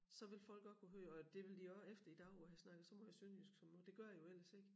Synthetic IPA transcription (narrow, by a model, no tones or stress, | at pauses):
sɒ̽ʋe̝lfɒ̽l̰ɡ̥ɒ̽d̥̚kʰoɦøːɒd̥e̝ʋe̝ld̥iɒefd̥ɐid̥ɑ̈ʊhæsnɑ̈ɡ̥ð̩ˠsɒ̽mɒ̽jɑ̈sønjysɡ̥sɒ̽mmod̥e̝ɡ̥ɶɐ̰jo̝el̰ɐse̝ɡ̥